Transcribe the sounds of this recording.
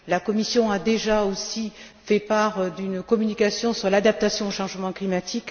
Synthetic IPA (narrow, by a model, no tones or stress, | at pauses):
lakɔmisjɔ̃ad̪eʒaosi | fɛpaʁd̪ynkɔmynikasjɔ̃syʁlad̪ap̚t̪asjɔ̃oʃɑ̃ʒmɑ̃klimat̪ʰik